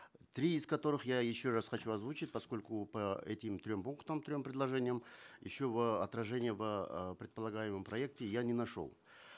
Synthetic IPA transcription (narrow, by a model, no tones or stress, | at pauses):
t̪ɾʲiːzkɐt̪o̞ɾɨχjajɪɕːo̞rasχɐt͡ɕuɐzvut͡ɕɪtʲpɐsko̞lʲkʊpɐɛtʲɪmt̪ɾʲo̞mpuŋkt̪əmt̪ɾʲo̞mpɾʲɪdlˠɐʐɛnʲɪjəmjɪ̰ɕːo̞vəɐt̪ɾɐʐɛnʲɪjəvəpɾʲɪt̪̚pəlˠɐɡajɪmɨmpɾɐek̚tʲɪjanʲɪnɐʂo̞̰lˠ